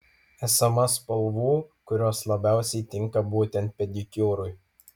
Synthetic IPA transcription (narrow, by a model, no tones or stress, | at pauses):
æsɐmɐspɐlˠʋuːkʊɾʲoːslˠɐbʲæˑʊsʲɛɪt̪ʲɪŋˑkɐbuːt̪ʲɛnʲt̪̚pʲɛd̪ʲɪkʲoːɾʊj